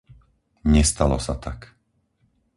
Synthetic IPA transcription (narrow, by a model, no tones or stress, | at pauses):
ɲɛst̪alɔsat̪ak